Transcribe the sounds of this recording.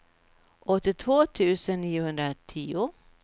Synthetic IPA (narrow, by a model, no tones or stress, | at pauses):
ʔɔt̪ːɪt̪ʰvoːt̪ʰʉ̟ːsənːiːʊhɵnd̪ɾat̪ʰiːʊ